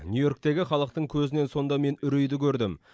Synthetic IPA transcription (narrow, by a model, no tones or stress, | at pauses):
nʲjujo̞ɾk̚t̪e̞ɡʲɪχɑlˠəqt̪əɴkʲʰɵzɪne̞nso̞nd̪ɑme̞nʏɾejd̪ɪkʲʰɵɾd̪ɪm